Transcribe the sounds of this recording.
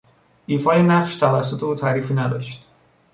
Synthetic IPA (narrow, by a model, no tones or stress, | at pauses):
iːfɒːjenæχʃt̪ʰævæsːo̞t̪ʰeuːt̪ʰæːɾiːfiːnæd̪ɒ̰ːʃt̪